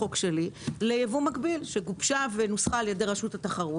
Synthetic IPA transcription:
o̞kʃe̞lilejevumakbilʃe̞ɡupʃave̞nusχaːljedeʁaʃutataχaʁu

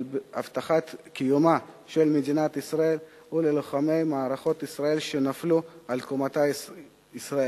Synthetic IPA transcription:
a̰vt̪aχat̪kijuma | ʃelmed̪inat̪isʁae̞l | uleloχame̞jmaːɾaχo̞t̪isʁae̞lʃenaflualkomat̪a | isʁae

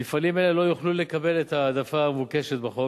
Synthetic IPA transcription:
ifanimelelo̞juχlule̞kabe̞let̪aːd̪afaːmvukeʃet̪baχo

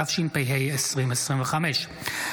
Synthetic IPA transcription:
afʃinpɛjɦɛjəsʁiməsʁinvəχamɛʃ

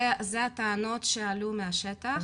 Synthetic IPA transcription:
zeat̪aano̞t̪ʃealumeaʃet̪a

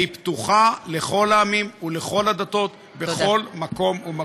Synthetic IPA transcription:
ipt̪uχale̞χo̞laːmimuleχo̞lad̪at̪o̞t̪ | beχo̞lmako̞muma

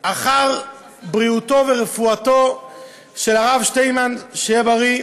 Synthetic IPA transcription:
ʔaχaʁ | bʁiuto̞veʁefuat̪o̞ | ʃe̞laʁavʃte̞jmanʃejebaʁi

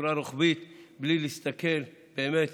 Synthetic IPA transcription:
ɾaɾoχbit̪blilist̪ake̞l | beːmet̪

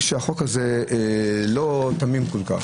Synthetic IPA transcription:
ʃeaχo̞kaze | lot̪amimkolka̰χ

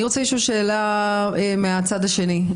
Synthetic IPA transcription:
iʁot͡sajeʃuːʃe̞ːlaemeat͡sadhaʃe̞ni

